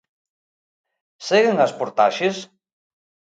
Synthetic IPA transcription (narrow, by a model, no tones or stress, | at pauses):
seɣeŋaspoɾt̪a̰ʃes